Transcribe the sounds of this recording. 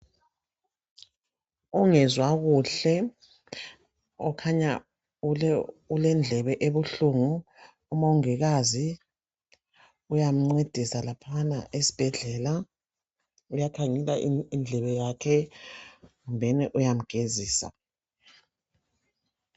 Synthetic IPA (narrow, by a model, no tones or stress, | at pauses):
uŋɛzwaɣuɬɛ | ɔkʰaɲa | ulɛnd͡ɮʱɛβɛʔeβuɬuŋuː | mawuŋiɣazi | ujam̩ŋ͡ǀed̥ʱisalapʰana̰ʔesi̥b̥ʱɛɮɛla | ujakʰaŋɛlaʔind͡ɮʱɛβɛjakʰɛ | ɣumbʱɛnɛʔujam̩ɡ̥ʱeziːsa̰